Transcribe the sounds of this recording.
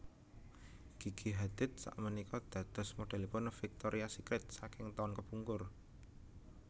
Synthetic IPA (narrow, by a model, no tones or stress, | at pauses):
ɡ̥i̤ɡ̥iɦad̪̥ɪ̤t̪̚sa̰ʔmənikɔd̪̥ä̤d̪̥ɔ̤smoɖ̥ɛ̤lipʊnfik̚t̪oɾʔiasikɾɪt̪̚sakɪŋt̪ɔnkəb̥uŋkʊr